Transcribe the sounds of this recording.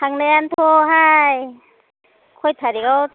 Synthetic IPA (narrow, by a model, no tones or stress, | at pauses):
hʰaŋnejant̪ʰoɦaj | kʰojt̪ʰaɾikaw